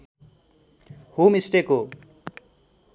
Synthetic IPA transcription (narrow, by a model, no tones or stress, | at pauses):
homisʈeko